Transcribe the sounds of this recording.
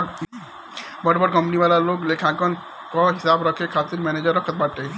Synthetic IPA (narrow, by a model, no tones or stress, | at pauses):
bɐʈbəɾkə̃mpniʋaːlaloːɡleːkʰãːkən | kaɦɪsaːbɾɐkʰːekʰaːt̪ɪɾmɛːneːd͡ʒəɾɐkʰət̪̚baːʈe